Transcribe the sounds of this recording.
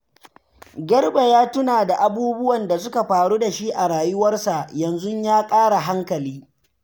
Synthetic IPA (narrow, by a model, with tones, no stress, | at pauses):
ɡʲɐ˦rbe˨jaː˦tʊ˦naː˨da˨ʔa˦buː˦bʊ˦wɐ˨nda˨sʊ˦ka˨ɸaː˨ɽuː˦da˨ʃi˦ʔa˨ɽaː˨jʊ˦wɐ˦rsa˨ʔjɐ˨nzʊ˦ɲjaː˦kʼaː˦ɽa˨ɦa˦ŋkɐ˨liː˦